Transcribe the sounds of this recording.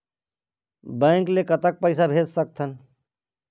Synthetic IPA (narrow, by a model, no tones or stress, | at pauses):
bɛ̃ːŋklekət̪ək̚pəɪsabʱeːd͡ʒsək̚t̪ʰən